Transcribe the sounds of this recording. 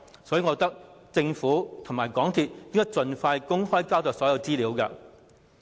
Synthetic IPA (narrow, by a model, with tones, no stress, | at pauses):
sɔː˨˥ji˨˧ŋɔ˨˧t̪ɐ˥k̚t͡sɪ˧ŋfuː˨˥t̪ʰʊ˨˩ŋmaː˨˩jkɔː˨˥ŋt̪ʰiː˨˧t̚kɪ˥ŋkːɔː˥t͡sɵ˨nfaː˧jkʊ˥ŋhɔː˥jkaː˥wt̪ɔː˨˩sɔː˨˥jɐ˧wt͡siː˥liː˨˧˥wkɐ˧